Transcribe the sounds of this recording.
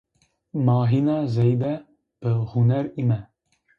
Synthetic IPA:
mɑːɦinɑːzɛjb̪ɛ | b̥ɨhunɛɾimɛ

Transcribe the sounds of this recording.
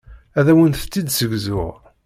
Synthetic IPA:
æðæwənθt͡sːid̪səɡzʊʁ

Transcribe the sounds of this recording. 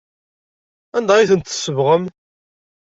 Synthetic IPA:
ænd̪æiθənt̪ə̥sːəvʁəm

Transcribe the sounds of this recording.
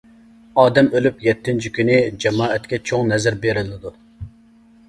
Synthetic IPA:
ɑːd̪ɛmølypjɛt̪ʰːɪnt͡ʃʰikʲynɪd͡ʒɛmɑːɛt̪kʲɛt͡ʃʰoŋnɛzɪɾbeɾɪlɪd̪u

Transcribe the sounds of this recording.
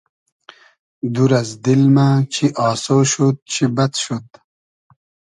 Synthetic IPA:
d̪uɾɐzd̪ilmat͡ɕʰiʔɑːsoːʃud̪̚t͡ɕʰibɐt̪ʃud̪

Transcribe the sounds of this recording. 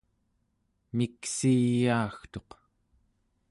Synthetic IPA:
miksiːjaːxt̪o̞q

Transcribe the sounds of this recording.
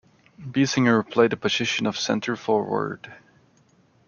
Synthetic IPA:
bisɪ̃ŋə˞pʰl̥eɪdəpʰɨzɪʃɨ̃nʌv̥sɛ̰̃ntʰə˞fɔɹwə̰˞d̥

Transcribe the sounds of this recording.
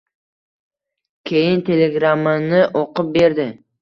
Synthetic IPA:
kʲʰe̞jɪnt̪ʰe̞leɡɾamːɪnɪʔoqʊp̚be̞ɾd̪ɪ

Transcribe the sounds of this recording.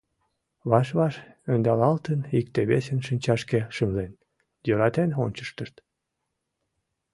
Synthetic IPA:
βɑʃβɑʃønd̪ɑlɑlt̪ənikt̪eβesənʃinʲt͡ɕɑʃkeʃəmlen | jøɾɑt̪enonʲt͡ɕə̥ʃt̪əʃt̪

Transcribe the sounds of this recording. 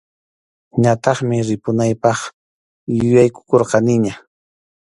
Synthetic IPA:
ɲat̪ɑχmɪɾɪpʊnajpɑχ | jʊjajkʊ̥koɾqɑnɪɲa

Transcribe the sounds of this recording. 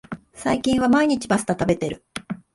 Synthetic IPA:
saikʲĩɰ̃βamaiɲ̟it͡ɕibasɨ̥t̪at̪abe̞t̪e̞ɾɯ̟

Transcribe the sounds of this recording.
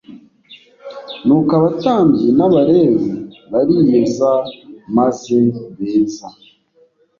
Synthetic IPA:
nukaβataːmbɟinaβaɾeβeβaɾijezamaze̞βeːza

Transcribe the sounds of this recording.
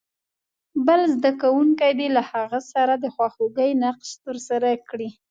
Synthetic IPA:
bəlzd̪akawuŋkajd̪elahaɣasaɾad̪əxwaxoɡəjnaqʃt̪əɾsaɾakɽi

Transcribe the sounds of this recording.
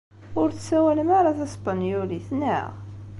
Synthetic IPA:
ʊɾθsæwæləmaɾaθæspanjuliθnæ̰ʁ

